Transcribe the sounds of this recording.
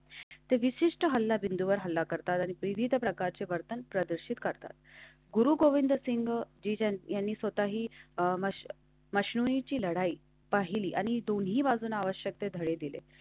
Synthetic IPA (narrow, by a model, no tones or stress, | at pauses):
t̪eʋiɕiʂʈəɦəlːabind̪uʋəɾɦəlːakəɾt̪at̪aɽ̃ipʋiʋid̪ʱpɾəkaɾt͡seʋəɾt̪ənpɾəd̪əɾʂit̪kəɾt̪a̰t̪̚ | ɡuɾuːɡoʋind̪əsiŋɡd͡ʑiːjanːiːsʋət̪aɦiːmə | məɕnuĩt͡ɕiːləɽaiː | paɦiliːʔaɽ̃id̪onɦiːbad͡zʱuːnaʋəɕjək̚t̪ed̪ʱəɽed̪ilḛ